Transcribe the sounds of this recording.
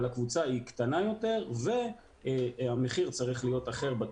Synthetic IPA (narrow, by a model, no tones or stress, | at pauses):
lakvut͡saikt̪anajo̞t̪e̞ʁve̞ | ameχiʁt͡saʁiχlijo̞t̪aχe̞ʁba